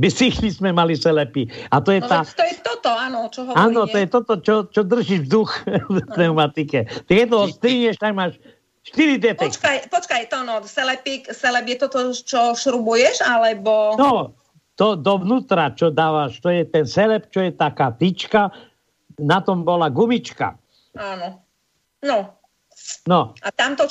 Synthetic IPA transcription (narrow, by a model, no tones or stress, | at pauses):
bisixlismɛmalisɛlɛpiat̪ɔjɛt̪at̪ɔjɛt̪ɔt̪ɔaːnɔt͡ʃɔɦɔaːnɔt̪ɔjɛt̪ɔt̪ɔt͡ʃɔt͡ʃɔd̪r̩ʒiʒvd̪uxt̪ɛwmat̪ikɛt̪aɡjɛt̪̬ɔɔst̪ɾiɲɛʃt̪aɡmaːʃ | ʃt̪iɾid̪ɛtɛɔt͡ʃkajpɔt͡ʃkajt̪ɔnɔsɛlɛpiksɛlɛpjɛt̪ɔt̪ɔt͡ʃɔʃɾubujɛʃalɛbɔnɔ | t̪ɔd̪ɔʋnuːt̪ɾat͡ʃɔd̪aːʋaʃt̪ɔjɛt̪ɛnsɛlɛpt͡ʃɔjɛt̪akaːt̪it͡ʃka | nat̪ɔmbɔlaɡumit͡ʃka̰ | anɔ | nɔ | nɔat̪amt̪ɔ